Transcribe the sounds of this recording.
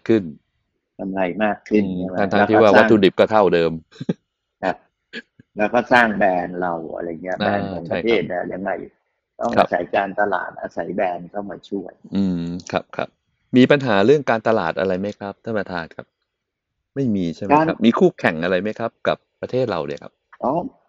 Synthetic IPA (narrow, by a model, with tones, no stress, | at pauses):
a˥˩kʰɯ˥˩n | ta˧mɾa˧jmaː˥˩kʰːɯ˥˩nʰaː˧nt̪ʰaː˧iː˥˧˩waː˧˩wa˦˥uː˧di˨˩p̚kɔː˥˩t̪ʰa˥˩wdɤː˧m | kʰa˦˥p̚ | lɛː˦˥wkɔː˥˩saː˥˩ŋbɛː˧nɾa˧wʔa̰˧ɾa˧jŋi˦˥ɐ˧˩ʔabɛː˧nː˨˦ŋt͡ɕʰa˧˥˩t̪ʰeː˦˥˩t̪̚lɛ˦˥ja˧ŋːa˧˩j | t̪ɔ˥˩kʔʰaː˥˧˩sa̰˩˦jkaː˧nt̪a˧la̰ː˨˩t̪̚ʔa̰ː˧sa˩˦jbɛː˧nkʰa˥˩wmaː˧˩t͡ɕʰu˥˩ɐjʔɯː˧mkʰa̰˦˥p̚kʰa̰˦˥p̚ | miː˧pa˧nɦaː˩˦ɾɯ˥˩əŋkaː˧nt̪a˧laː˨˩t̪̚ʔa̰˧ɾa˧jma˦˥jkʰa˦˥p̚t̪ʰa˥˩ma˧t̪ʰaː˧nkʰa̰˦˥p̚ | ma˥˩jmiː˧t͡ɕʰa˥˩jma˦˧a˦˥p̚miː˧kʰuː˥˩kʰɛ˨˩ŋʔa˧ɾa˧jma˦˥jkʰɾa˦˥p̚ka˨˩pːɾa˧t̪ʰeː˥˩t̪̚ɾa˧wdɯ˧˨˩kʰa̰˦˥p̚ʔɔː˦˥